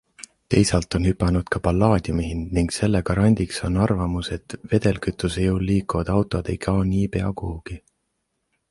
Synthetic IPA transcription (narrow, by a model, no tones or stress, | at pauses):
t̪e̞jsɑlt̪ːˑo̞nhypːˑɑnud̪̥kɑpɑlːɑːd̪̥jumiɦind̪niŋɡse̞lːekɑɾɑnʲd̪̥ikso̞nːɑrvɑmuse̞t̪ve̞d̪̥e̞lkyt̪ːˑusejɤwlːiːkːˑuvɑd̪̥ɑwt̪ˑod̪̥e̞jkʰɑːniːpe̞ɑkuhuɡ̥i